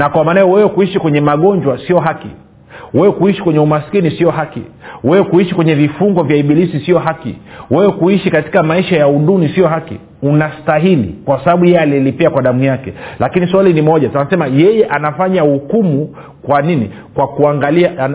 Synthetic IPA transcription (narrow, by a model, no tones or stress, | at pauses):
nakwamanajɔwɛwɛkuiʃikwɛɲɛmaɠɔɲd͡ʒwasiɔɦakḭ | wɛwɛkuiʃi̥kwɛɲɛumasi̥kinisiɔɦakḭwɛwɛkuiʃikwɛɲɛvifuŋɡɔvjaiɓilisisiɔɦakḭwɛwɛkuiʃikati̥kamaiʃajauɗunisiɔɦakḭ | unastaɦilḭkwasaɓaɓujɛɛaliɛlipiakwaɗamujakɛlakiniswalinimɔʄatunasɛmajɛjɛʔanafaɲahukumu | kwaninḭ | kwakuaŋɡalia